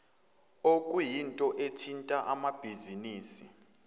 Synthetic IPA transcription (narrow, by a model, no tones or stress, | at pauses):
okʼujintʼɔʔetʰintʼaʔamab̥ʱiziniːsi